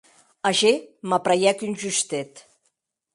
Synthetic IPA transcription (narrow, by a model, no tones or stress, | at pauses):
aʒemapɾajɛkynʲʒyst̪ɛt̪